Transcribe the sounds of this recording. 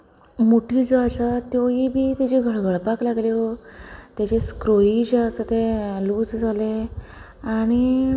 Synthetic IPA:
moʈʰiːd͡zoaɕat̪joɦiːbʱiːt̪jat͡ɕeɡʱəɭɡʱəɭpaklaɡleɦot̪jat͡ɕeskɾoid͡ʑasət̪eluːt͡sd͡zʱale | aɽ̃i

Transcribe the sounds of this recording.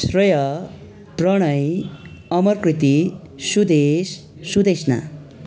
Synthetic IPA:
srʌjʌ | prʌɽ̃ʌj | ʌmʌrkrit̪i | sud̪esː | ud̪esna̰

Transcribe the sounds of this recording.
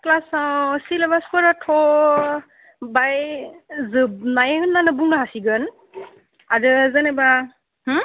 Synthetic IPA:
klasasilɛmaskɔɾatʰɔ | bajzɯnajɦɯnːanɯbuŋɡaɦasiɡɯn | adɯzanɛba | h̩

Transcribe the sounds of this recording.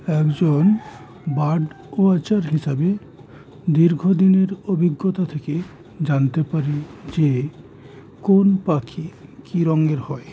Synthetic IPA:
ɛkd͡ʑon | baɖ | oat͡ɕaɾɦiʃabe | d̪iɾɡʱod̪ineɾobʱiɡːot̪at̪ʰeke | d͡ʑant̪epaɾid͡ʑe | konpakʰikiɾɔŋɡeɾhɔe

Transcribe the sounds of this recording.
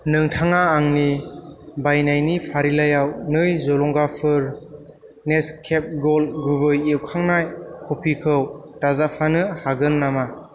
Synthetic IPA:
nɯŋtʰaŋaːŋni | bajnajnipʰaɾilajawnɯjzɔlɔŋɡapʰɯɾ | neskʰep̚ɡɔlɡubɯjewkʰaŋnajkʰɔpʰikʰɯwtazapʰanɯhaɡɯnːama

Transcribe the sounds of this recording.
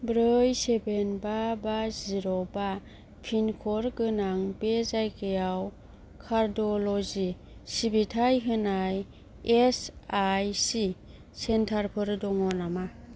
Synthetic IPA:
bɾɯjsebenbabaziɾɔba | pʰinkʰɔɾɡɯnaŋbezajkʰɯjaw | kʰaɾdɔlɔzi | sibitʰajɦɯnaj | esajsi | sentʰaɾpʰɯɾdɔŋɔnama

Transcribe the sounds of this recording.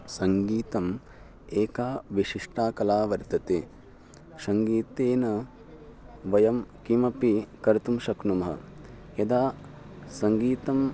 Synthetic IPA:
sɐŋɡiːt̪ɐm | eːkaːʋiʃiʂʈaːkɐlaːʋɐɾt̪ɐt̪eː | ʃɐŋɡiːt̪eːnɐ | ʋɐjɐmkimɐpikɐɾt̪umʃɐknumɐɦɐ̰ | ɐd̪aː | sɐŋɡiːt̪ɐm

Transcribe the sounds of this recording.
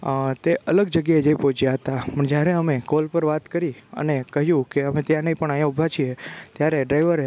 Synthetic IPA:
t̪eʔʔələɡd͡ʒəɡjaed͡ʒejpot͡ʃjaɦət̪apəɳd͡ʒjaɾeəmekolpəɾʋat̪kəɾiə̰nekəɦjũkeəmet̪jãnəĩpəɳajãubʱat͡ʃʰiet̪jaɾeɖɾajʋəɾ

